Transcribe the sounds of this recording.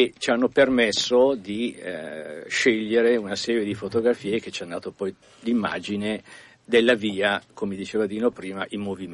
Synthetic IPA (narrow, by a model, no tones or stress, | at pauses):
et͡ʃianːopermesːod̪i | ʃeʎːeɾeunasɛːɾjed̪ifot̪oɡɾafiːek̟et͡ʃanːd̪aːt̪opɔj | d̪imːa̰ːd͡ʒine | d̪elːaviːakomed̪it͡ʃeːvad̪iːnopɾiːmaʔimːovim